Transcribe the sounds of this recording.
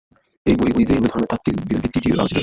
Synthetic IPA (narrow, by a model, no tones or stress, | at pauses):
ejbojbojd̪eued̪ʱɔɾnet̪at̪ːikbiɾod̪ʱit̪iʈiʔa̰d͡ʑɾḛ